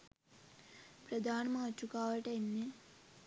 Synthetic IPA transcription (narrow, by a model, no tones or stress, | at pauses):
pɾɐd̪ʱaːnɐmaːt͡ʃːukaːʋɐʈɐenːe